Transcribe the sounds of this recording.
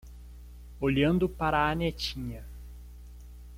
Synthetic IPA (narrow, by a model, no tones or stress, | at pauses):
oʎɐ̃nd̪ʊpaɾɐːnet͡ʃĩɲɐ